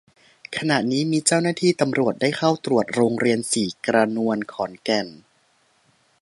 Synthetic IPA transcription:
kʰa˧na˨˩ʔniː˦˥miː˧t͡ɕaː˥˩wnaː˥˩t̪ʰiː˥˩t̪a˧mɾu˨˩ət̪̚daː˥˩jxʰa˥˩wt̪ɾu˨˩ət̪̚ɾoː˧ŋɾi˧ənsiː˨˩kɾa˧nu˧ənkʰɔː˩˦nkɛ˨˩n

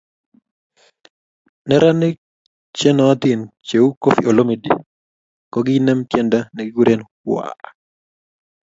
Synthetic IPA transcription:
nɛ˦ɾa˦nɪ˦k̚ | t͡ʃɛ˦nɔ˨a˦t̪i˦˨nt͡ʃe˨u˦ko˦fḭ˨o˨lo˦mi˨dḭ˨ | kɔ˨ɡi˦nɛ˦mtjɛ˦nda˦nɛ˨ɡɪ˦ɡu˦ɾʔe˦nkwa̰

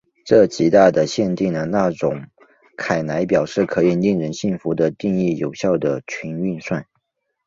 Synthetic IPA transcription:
ʈ͡ʂɤ˥˩t͡ɕi˧˥t̪a˥˩d̪ə˩ɕjɛ˥˧nt̪i˥˩ŋd̪ə˩na˥˩ʈ͡ʂʊ˨˩˦ŋ | kʰa˨˩ɪna˧˥ɪpjɑ˨˩ʊʂɻ̩˥˩kʰɤ˧˥i˧˩ni˥˩ŋɻə˧˥nɕi˥˩nfu˧˥d̪ə˧t̪i˥˧ŋi˥˩jo˨˩ʊɕjɑ˥˩ʊd̪ə˩t͡ɕʰi˧˥ny˥˧nswa˥˩n

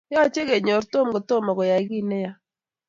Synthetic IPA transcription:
ja˦˨t͡ʃe˦ɡe˨ɲɔ˨ɾt̪o˦˨mɡɔ˨t̪o˦˨mɔ˨ɡɔ˨ja˨ɡi˦˨nɛ˦ja˦

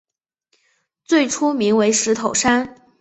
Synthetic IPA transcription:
t͡swe˥˩ɪʈ͡ʂʰu˥mi˧˥ŋwe˧˥ɪʂɻ̩˧˥t̪ʰo˨˩ʊʂa˥n

